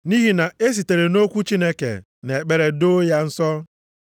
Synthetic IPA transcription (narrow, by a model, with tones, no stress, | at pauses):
ni˦ɦi˦na˨e˦s̬i˨te˨ɾe˨no˦kʷu˦t͡ʃi˦ne˦kḛ˨ | ne˨k͡pe˦ɾe˨do˦ja˦n̩˦sɔ˦